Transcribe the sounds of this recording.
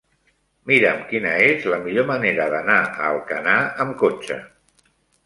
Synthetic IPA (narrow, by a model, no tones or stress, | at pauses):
miɾəmkinəezləmiʎoməneɾəðənaə̰lˠkənaəmkot͡ʃə̰